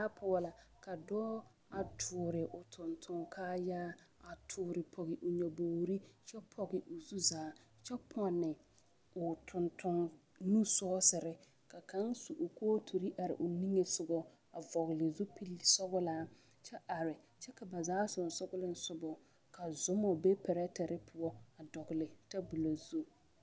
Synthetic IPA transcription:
a˦pʰʊ˦la˨ka˨dɔː˦ | a˨tʰʊː˨ɾɪ˨ʔʊ˨tʰʊ˨ntʰʊ˨ŋkʰaː˦jaː˦ | a˨tʰʊː˨ɾɪ˨pʰɔ˨ɣɪ˨ʔʊ˨ɲɔ˨boː˨ɾi˦t͡ʃɛ˦pʰɔ˨ɡɪ˨ʔʊ˨zu˦zaː˨˦ | t͡ʃɛ˦pʰɔ˦nɪ˨ | ʊ˨tʰʊ˨ntʰʊ˨ŋ | nu˦sɔː˦sɪ˨ɾɪ˦ | ka˨ka˦ŋsu˨ʔʊ˨kʰoː˦tʰu˨ɾi˦ʔa˨ɾɪ̰˨ʔʊ˨ni˦ŋe˨sʊ˨ɡɔ˦ | a˨vɔ˨ɣlɪ˨zu˦pi˦lsɔ˦ɣʊ˦laː˦ | t͡ʃɛ˦ʔa˨ɾɪ˨ | t͡ʃɛ˦ka˨ba˨zaː˨˦sʊ˨n˨sʊ˦ɡʊ˦lɪ˦n̩˦sʊ˦bɔ˨ | ka˨zʊ˨˦mɔ˨be˦pɛ˨ɾɛ˦tɛ˨ɾɪ˦pʰʊ˨ɔ˦a˨dɔ˨ɡɪ˨lɪ˨ta˦bu˨lo˨zu˦

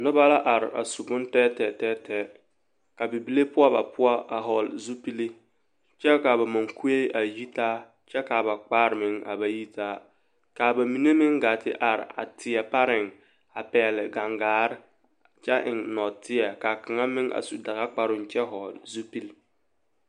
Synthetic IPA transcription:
nʊ˦ba˦la˦ʔa˨ɾɪ˨a̰˨su˨ɡʊ˦n˦tɛː˦tɛ˨tɛː˦tɛː˦ | ka˨bi˨bi˨le˦pʊ˦a˦ba̰˨pʊ˦a˦ʔa˨ɦɔ˨lzu˦pi˦li˦ | t͡ʃɛ˦ka˨βa˨ma˨ŋku˦e˦ʔa˨ji˦taː˦ | t͡ʃɛ˦ka˨ba˨k͡paː˦ɾɪ˨mɪ˨˦ŋa̰˨ba˨ji˦tʰaː˦ | ka˨ba˨mi˨ne˦mɪ˦ŋɡa˨tɪ̰˦ʔa˨ɾɪ̰˨a̰˨tʰɪ˨ɛ˨pa˦ɾɪ˨ŋ | a˨pɛː˨lɪ˨ɡa˨ŋɡaː˨˦ɾɪ˦ | t͡ʃɛ˦ʔɪ˨ŋnɔ˨tɪ˦ɛ˨ka˨kɪ˨ŋa˦mɪ˦ŋʔa̰˨su˨da˨ɣa˦k͡pa˦ɾʊ˨nt͡ʃɛ˦ɦɔ˨lzu˦pi˦l

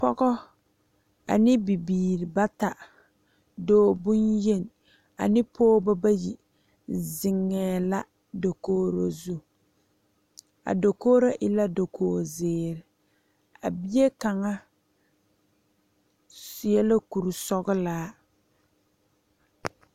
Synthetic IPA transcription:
pɔ˦ɡɔ˦ | a̰˨nɪ˦bi˨biː˨ɾi˨ba˦ta˨ | doː˦˨bʊ˦nje˦˨n˨ | a̰˨nɪ˦pʰoː˦ba˦ba˦ji˨ | zɪ˨ŋːɛː˨la˦ | do˨koː˦ɾo̰˦zu˦ | a̰˨do˨koː˦ɾo˦ʔɪ˦la˦do˨kʰoː˨zɪː˨ɾɪ˨ | a̰˨bi˦je˦ka˨ŋa˦ | sɪ˨ɛ˦lo˦ku˨ɾu˨sɔ˦ɡɪ˦laː˦

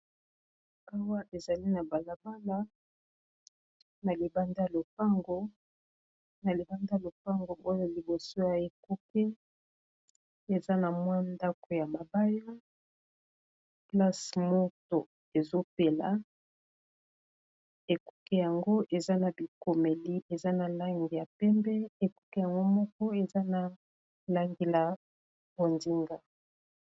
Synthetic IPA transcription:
a˦wa˦ʔe˨za˨li˦na˨ba˨la˨ba˦la˦ | na˨li˨ba˦nda˦˨lo˨pa˦ŋɡo˦ | na˨li˨ba˦nda˦˨lo˨p̚a˦ŋɡo˨ʔo˦jo˦li˨bo˨so˦ja˨e˨ku˦kɛ˦ | e˨za˦na˨mwa˦nda˦ko˨ja˨ma˨ba˦ja˦ | pla˦smo˦to˨ | e˨zo˦pe˦la̰˨ | e˨ku˦kɛ˦ja˨ŋɡo˦ʔe˨za˦na˨bi˨ko˨me˨li˦ʔe˨za˦na˨la˦ŋɡi˨ja˨pɛ˦mbɛ˦e˨ku̥˦kɛ˦ja˨ŋɡo˦mɔ˦kɔ˦e˨za˦na˨ | la˦ŋɡi˨la˨ | b̥o˨ndi˦ŋɡa˨

